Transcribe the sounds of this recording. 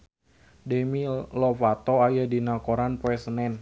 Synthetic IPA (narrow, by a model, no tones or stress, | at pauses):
demilɔfat̪ɔajadinakoɾanpoɛsənɛn